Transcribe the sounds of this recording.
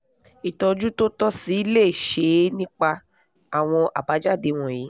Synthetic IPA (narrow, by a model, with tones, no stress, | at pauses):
i˨tɔ˧d͡ʒu˦to˦tɔ˦si˨˦i˦le˦˨ʃe˧˦nĩ˦k͡pa˧ | a˨w̃ɔ̃˧ʔa̰˨ba˨˦d͡ʒa˦˨de˧w̃ɔ̃˨ji˨˦